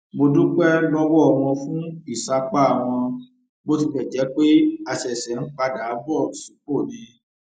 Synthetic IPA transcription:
mo˧dũ˦k͡pɛ˦lɔ˦wɔ˦ɔ˧˨w̃ɔ̃˧fũ˦i˦˨sa˧k͡pa˦˨w̃ɔ̃˧ | mo˦t̬i˧fɛ˨d͡ʒɛ˨˦k͡pe˦a˧ʃɛ˨sɛ˨˦n̩˦k͡pa˧da˨˦bɔ˦˨su˨˦ko˦˨nĩ˧

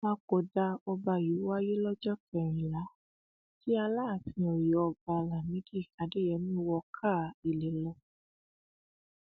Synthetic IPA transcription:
mã˦˧˦ko˨da˧ɔ˧ba˧˨ji˨˦wa˦je˦lɔ˦d͡ʒɔ˦kɛ˨ɾ̃ĩ˨la˨˦ | ti˦a˧laː˦˨fĩ˧o˨ɾi˨˦ɔ˧ba˧la˨mĩ˨˦di˦˨ka˨˦de˦jɛ˨˦mĩ˦wɔ˧kʰa˦˨i˨le˨lɔ˧˦

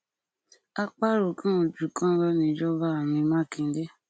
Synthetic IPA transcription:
a˦k͡pa˦ɾu˨kã˦o˨d͡ʒu˨˦kã˦ɾɔ˦nĩ˧˦d͡ʒɔ˦ba˦a˨mĩ˧mã˦˨kĩ˧˦de˦

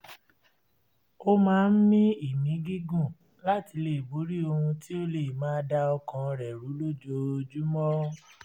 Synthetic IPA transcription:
o˦mãː˦n̩˦mĩ˦i˦˨mĩ˨˦ɡi˦ɡũ˦˨ | la˦ti˧˦le˦˨bu˨˦ɾi˦o˧hũ˧ti˦o˦le˦˨mãː˨˦da˧ɔ˧kã˧ɾɛ˨ɾu˨˦lo˦d͡ʒo˧d͡ʒu˦mɔ̃˦

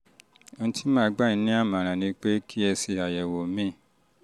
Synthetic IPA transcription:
õ˧˦tʰi˦mãː˦˧˦ɡ͡ba˦˨ĩ˨˦nĩ˦a˦˨mã˨ɾ̃ã˨nĩ˧˦k͡pe˦kʰi˦ɛ˧se˧a˨jɛ˨wo˨mĩ˦˨

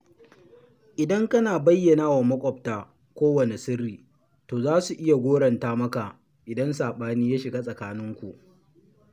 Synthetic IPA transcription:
ʔɪ˨dɐ˦ŋkɐ˦naː˨bɐ˦jːɐ˨naː˦wa˨mɐ˦kʷʼɔ˨p̚taː˨ | kʷoː˦wɐ˨ne˨sɪ˦rːiː˨ | toː˨zaː˦su˨ʔɪ˦ja˨ɡʷoː˦ɽɐ˨ntaː˦mɐ˦ka˨ʔ | ʔɪ˨dɐ˦nsaː˨ɓaː˦niː˦jaː˦ʃɪ˨ɡa˦sʼɐ˨kaː˦nɪ˦ŋkʷu˨ʔ

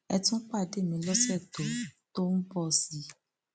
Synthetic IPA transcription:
ɛ˧tũ˦k͡pa˦˨de˦˨mĩ˧˦lɔ˦sɛ˦˨to˨to˦n̩˦bɔ˦˧˨si˦

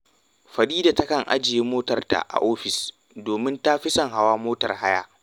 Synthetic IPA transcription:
ɸɐ˨ɗiː˦da˨tɐ˦kɐ˨ŋʔa̰˦d͡ʒɪ˨je˦moː˦tɐ˨rta̰˨ʔa̰˨ʔoː˦ɸɪ˨s | doː˨mɪ˦nta˦ɸɪ˦sɐ˨ŋɦa˨waː˦moː˦tɐ̰˨rha˦ja̰ː˨

